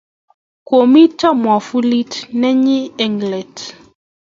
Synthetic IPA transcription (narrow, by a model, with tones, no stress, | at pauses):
ko˨mi˦ta˦mwa˨fu˦li˦tnɛ˦ɲi˦ɛ˦˨ŋɡlɛ˨t